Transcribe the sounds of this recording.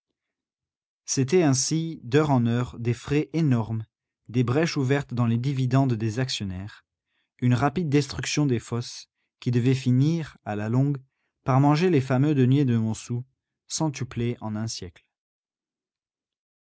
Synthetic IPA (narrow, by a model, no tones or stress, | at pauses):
set̪ɛɛ̃sid̪œʁɑ̃nœʁd̪efχeʔenɔʁm | d̪ebʁɛʃuvɛʁt̪d̪ɑ̃led̪ivid̪ɑ̃d̪ːezaksjɔnɛːʁ | ynʁapid̪̚ːɛst̪χyksjɔ̃d̪efɔs | kʲid̪əvɛfiniʁalalɔ̃ɡ | paʁmɑ̃ʒelefamød̪ənɥed̪əmɔ̃su | sɑ̃t̪ypleʔɑ̃nɛ̃sjɛkl